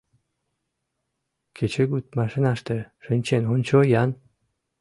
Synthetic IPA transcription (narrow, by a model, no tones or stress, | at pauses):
kʰet͡ɕʰeɡut̪̚maʂɨnaʂt̪eʂɨnʲt͡ɕenont͡ɕojan